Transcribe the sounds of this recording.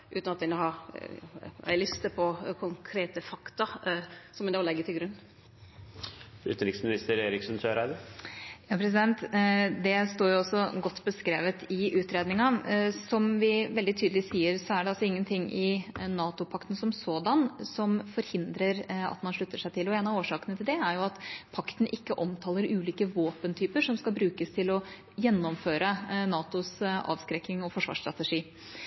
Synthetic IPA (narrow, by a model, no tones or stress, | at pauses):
ʔʉ̰t̪nɑt̪d̪ɛnhɑ̰ | æ̰ɪlʏst̪əpʰɔkʰʊŋkʰɾeːt̪əfɑkt̪ɑsɔmʋɪd̪ɑːlɛɡːət̪ʰɪlɡɾʉnː | ʉ̰ːt̪nɾɪksmɪnɪst̪əɾeːɾɪksnsøːɾæɪd̪əjɑːpʰɾɛs̬ɪd̪ɛnt̪d̪ɛst̪oːɾjʊɔsːɔɡɔt̪ːbəskɾeːʋət̪ʰɪʔʉːt̪ɾeːd̪nɪŋɑsɔmʋɪʋɛld̪ɪt̪ʰyːd̪əlɪsiːəɾsɔæɖɛɑlsɔɪŋːənt̪ʰɪŋːɪnɑːt̪ʊpʰɑkt̪ən̩sɔmsoːd̪ɑnsɔmfɔɾhɪnd̪ɾəɾɑ̰t̪mɑnʂɭʉt̪ːəʂæɪt̪ʰɪlɔeːnɑoːʂɑːkənət̪ʰɪld̪ɛæɾjʊɑt̪pʰɑkt̪n̩ʔɪkːəʔɔmt̪ʰɑːləɾʉːliːkəʋoːpənt̪ʰyːpəɾʂɔmskɑlbɾʉːkəst̪ʰɪlɔ | jɛnːɔmføːɾənɑːt̪ʊsɑ̰ːʋskɾɛkːɪŋɔfɔʂʋɑ̰ːʂt̪ɾɑt̪əʂiː